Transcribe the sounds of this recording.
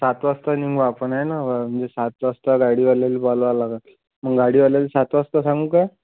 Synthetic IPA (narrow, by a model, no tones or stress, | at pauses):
sat̪ʋast̪aniŋɡʋaapəɳaenaʋam̤əɳd͡zesat̪ʋast̪aɡaɽiːʋaljaliːbalalaka | məɡɡaɽiːʋaljaliːsat̪ʋast̪asãŋɡuːkaj